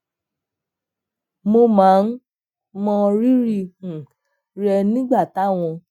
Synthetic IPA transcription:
mo˧mãː˨˦n̩˦ | mɔ̃˧ɾi˦ɾi˦˧˨ | ɾɛ˧nĩ˦ɡ͡ba˦˨ta˨˦w̃ɔ̃˧

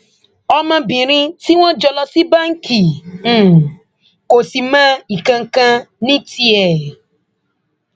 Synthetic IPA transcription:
ɔ˦mã˧bĩ˨ɾĩ˦ti˦wɔ̃˦d͡ʒɔ˨lɔ˦si˦ba˦ŋ̩˦ki˨ | ko˨si˨mã˦i˨kã˨˧ŋ̩˨kã˧nĩ˦ti˦ɛ˨

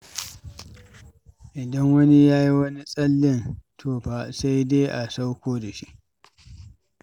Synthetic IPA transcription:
ʔɪ˨dɐ˦ŋwɐ˦ni˦jaː˦ji˦wɐ˦ni˦sʼɐ˦lːɪ˦ntʰoː˦˨ɸaː˨sa˦jdeː˦ʔa˨sa˦wkʷoː˦da˨ʃi˦ʔ

